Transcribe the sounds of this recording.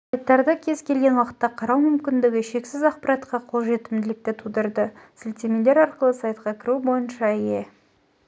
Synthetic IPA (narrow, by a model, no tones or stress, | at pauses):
ssɑjt̪ːɑɾd̪ɑkʲʰe̞zkʲe̞lɡʲe̞nwɑqə̥t̪ːɑqʰɑɾɑwmʏmkʲɪnd̪ɪɡʲɪʃe̞ksɪzɑqpɑɾɑt̪qɑqʰolˠʒe̞t̪ɪmd̪ɪlɪk̚t̪ɪt̪ʰud̪əɾd̪əsɪlt̪emele̞ɾɑɾqəlˠəsɑjt̪̚qɑkʲʰɪɾubo̞jənʃɑije̞